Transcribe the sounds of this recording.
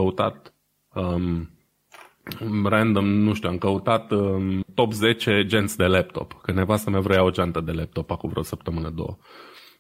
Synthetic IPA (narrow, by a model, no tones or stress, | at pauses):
əut̪a̰t̪ | ə | rɛnd̪əmnuʃt̪ʲuamkəut̪at̪ət̪o̞pze̞t͡ʃe̞d͡ʒent̪sʲd̪e̞lep̚t̪o̞̰pkənevasəmavɾojaod͡ʒant̪əd̪e̞lep̚t̪o̞pakuvɾeosəpt̪əmɨnəd̪o̞̰wə̰